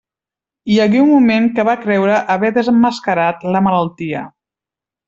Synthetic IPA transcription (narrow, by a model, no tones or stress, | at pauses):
iəɣiumːumeŋkəβakɾɛwɾəʔəβɛðəzəmːəskəɾat̪ləmələlˠt̪iə̰